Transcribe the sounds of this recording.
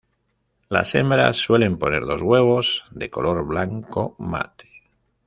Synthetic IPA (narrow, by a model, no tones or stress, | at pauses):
la̰se̞mbɾa̰sːwe̞le̞mpo̞ne̞ɾðo̞zɣwe̞β̞o̞zðeko̞lo̞ɾβlaŋkoma̰t̪e̥